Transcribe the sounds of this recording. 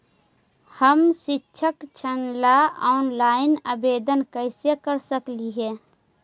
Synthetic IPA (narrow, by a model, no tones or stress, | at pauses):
həmʃɪtːʃʰəkt͡ʃʰənlaɔːnlaːɪnəbeːd̪ənkəɪsekəɾsəkliɦɛː